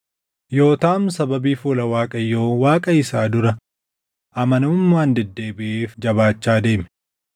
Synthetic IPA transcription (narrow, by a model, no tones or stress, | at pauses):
jo̞ːt̪aːmsɐbɐbiːfuːlɐwaːkʼɐjo̞ːwaːkʼɐɪsaːd̪ʊɾɐ | ʔɐmɐnɐʊmːaːnd̪ɛd̪ːe̞ːbɪʔeːfd͡ʒɐbaːt͡ʃːaːd̪e̞ːmɛ